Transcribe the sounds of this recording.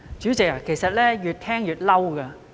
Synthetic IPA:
t͡ɕyː˨˥t͡sɪ˨k̚a˨˩ke˨˩jsɐ˨t̚lɛː˥jyː˨˩t̚t̪ʰɛː˥ŋjyː˨˩t̚lɐ˥wkɐ˧

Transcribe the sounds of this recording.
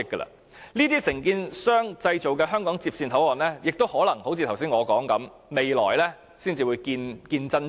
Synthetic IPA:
kːə̰˧lɐ̰˧˥ | niː˥t̪iː˥sɪ˨˩ŋkiː˧nsœː˥ŋt͡sɐ˧jt͡so˨wkɛː˧ɦœː˥ŋkɔː˨˥ŋt͡siː˧p̚siː˧nt̪ʰɐ˨˥wɔː˨˩nlɛː˥jɪ˨k̚t̪o˥whɔː˨˥lɐ˨˩ŋho˨˥wt͡sʰiː˨t̪ʰɐ˨˩wsiː˥nŋɔː˨˧kɔː˨˥ŋkɐ˨˥m | me˨jlɔ̰ː˨˩jlɛ˥ | siː˥nt͡siː˨wuː˨˧jkiː˧nkiː˧nt͡sɐ˥n

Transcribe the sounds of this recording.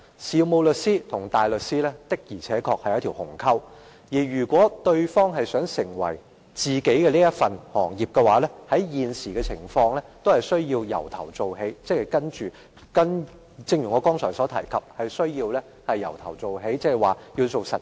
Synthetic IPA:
siː˨˧wmo˨˧wlɵ˨tsiː˥t̪ʰʊ˨˩ŋt̪aː˨˩jlɵ˨t̚siː˥lɛː˥t̪ɪ˥k̚jiː˨˩t͡sʰɛː˨˥kʰɔː˧k̚hɐ˨jɐ˥t̪ʰi˨˩whʊ˨˩ŋkʰɐ˥w | jiː˨˩ɥyː˨˩kʷɔː˨˥t̪ɵ˧ɥfɔː˥ŋɦɐ˨jsœː˨˥ŋsɪ˨˩ŋwɐ̰˨˩j | t͡siː˨ke˨˥jkɛ˧liː˥jɐ˥tfɐ˨nhɔ̰ː˨˩ŋjiː˨p̚kɛ˧waː˨˥lɛː˥hɐ˨˥jjiː˨nsiː˨˩kɛ˧t͡sʰɪ˨˩ŋfɔː˧ŋlɛː˥t̪o˥whɐ˨˩jsɵ˥ɥjiː˧wjɐ̰˨˩wt̪ʰɐ˨˩wt͡so˨wɦe˨˥jt͡sɛː˥ɐ˨˩jkɐ˥nt͡ʃyː˨ | kɐ˥n | t͡sɪ˧ŋjy˨˩ŋɔː˨˧kɔː˥ŋt͡sʰɔː˨˩jsɔː˨˥t̪ʰɐ˨˩jkʰɐ˨p̚hɐ˨jsɵ˥ɥjiː˧wlɛː˥ | hɐ˨jːɐ̰˨˩wt̪ʰɐ˨˩wt͡so˨wɦe˨˥jt͡sɛː˥ɛ˨˩jwaː˨ji˧wt͡so˨wsɐ˨t̚

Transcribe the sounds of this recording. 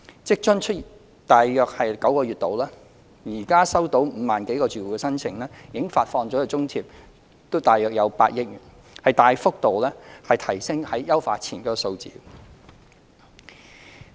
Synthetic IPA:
t͡sɪ˥k̚t͡ʃɵ˥ŋt͡ʃʰɵ˥t̚i˨ | t̪aː˨jːœː˨k̚hɐ˨jkɐ˨˥wkɔː˧ɥyː˨t̚t̪o˨wlaː˥ | jiː˨˩kaː˥sɐ˥wt̪o˨˥wm̩ː˨˧maː˨nke˨˥jkɔː˧t͡syː˨wu˨˩kɛː˧sɐ˥nt͡sʰɪ˨˩ŋlɛː˥jiː˨ɪ˥ŋfaː˧t̚fɔː˧ŋt͡sɔː˨˥jɐ˨˧t͡sʊ˥ŋt̪ʰiː˧p̚ | t̪o˥wt̪aː˨jœː˨k̚jɐ˨˧wpa̰ː˧t̚jɪ˥k̚jyː˨˩n | hɐ˨jt̪aː˨jfʊ˥k̚t̪o˨wlɛː˥hɐ˨jt̪ʰɐ˨˩jsɪ˥ŋhɐ˨˥jːɐ˥wfaː˧t̚t͡sʰiː˨˩nkɔː˨˥kɔ˨so˧wt͡sḭː˨˧

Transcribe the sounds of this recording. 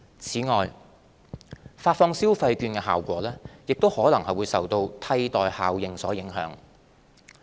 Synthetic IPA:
t͡sʰiː˨˥ŋɔː˨˩j | faː˧t̚fɔː˧ŋsiː˥wfɐ˧jkyː˧nkɛː˧ɦaː˨wkʷɔ̰ː˨˥lɛː˥jɪ˨k̚t̪o˥whɔː˨˥lɐ˨˩ŋhɐ˨˩wuː˨˧jsɐ˨wt̪o˧wt̪ʰɐ˧jt̪ɔː˨jhaː˨wjɪ˨ŋsɔː˨˥jɪ˨˥ŋɦœ̰ː˨˥ŋ

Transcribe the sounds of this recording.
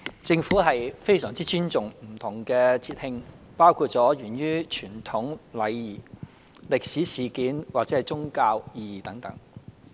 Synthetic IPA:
t͡sɪ˧ŋfuː˨˥ɦɐ˨jfe˥jsœː˨˩ŋt͡siː˥t͡ʃyː˥nt͡sʊ˨˩ŋm̩˨˩t̪ʰʊ˨˩ŋkɛː˧t͡sʰiː˧t̚hɪ˧ŋ | paː˥wkʰuː˧t̚t͡sɔː˨˥ɥyː˨˩njyː˥t͡ʃʰyː˨˩nt̪ʰʊ˨˥ŋlɐ˨˧jjiː˨˩ | lɪ˨k̚siː˨˥siː˨˩kiː˨˥nwaː˨k̚t͡sɛː˨˥ɐ˨˩jt͡sʊ˥ŋkaː˧wjiː˧jiː˨˩t̪ɐ˨˥ŋt̪ɐ̰˨˥ŋ

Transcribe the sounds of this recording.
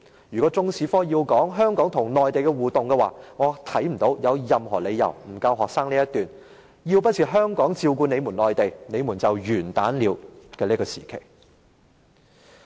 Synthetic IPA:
jyː˨kɔː˨˥t͡sʊ˥ŋsiː˨˥fɔː˥jiː˧wkɔː˨˥ŋɦœː˥ŋkɔː˨˥ŋt̪ʰʊ˨˩ŋnɔː˨jt̪e˨jkɛ˧wuː˨t̪ʊ˨ŋkɛ˧waː˨˩ŋɔː˨˧t̪ʰɐ˨˥jm̩˨˩t̪o˨˥wjɐ˨˧wjɐ˨mɦɔː˨˩le˨˧jɐ̰˨˩wm̩˨˩kɐ˧wɦɔː˨k̚saː˥ŋliː˥jɐ˥t̪yː˨˩n | ji˧wpɐ˥t̚sʰiː˨ɦœː˥ŋkɔː˨˥ŋt͡siː˧wkuː˧ne˨˧jmu˨˩nlɔː˨jt̪e˨jne˨˧jmuː˨˩nt͡sɐ˨wjyː˨˩nt̪aː˨˥nliː˨˧wkɛː˧liː˥kɔː˧siː˨˩kʰḛ˨˩j

